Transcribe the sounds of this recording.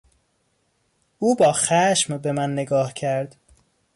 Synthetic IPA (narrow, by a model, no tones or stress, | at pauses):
uːbɒːxæʃmbe̞mænːe̞ɡɒːhcʰæɾd̪̥